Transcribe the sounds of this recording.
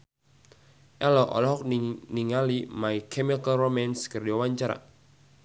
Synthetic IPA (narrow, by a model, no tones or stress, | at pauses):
ʔɛlɔʔɔ̰lɔɦɔk̚nniŋalimaikʰɛmikalromɛnskərdiɔwaɲt͡ʃaɾa̰